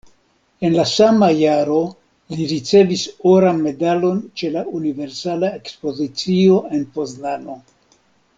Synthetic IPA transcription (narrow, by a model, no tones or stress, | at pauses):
e̞nlasamajaɾo̞ | liɾit͡se̞visoɾanme̞dalo̞nt͡ʃe̞launive̞ɾsalae̞kspo̞zit͡sio̞e̞npo̞znano̞